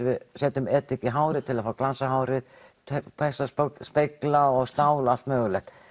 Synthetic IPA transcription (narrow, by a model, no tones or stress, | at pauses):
vɪðsɛːt̪ʏmɛːt̪ːɪcːɪɦaːwɾɪðt̪ʰɪlaðfaːwaklansaɦaːwɾɪð | t̪ʰpʰɛsaspspejklaɔɣst̪aːwlalt̪mœːɣʏlɛxt̪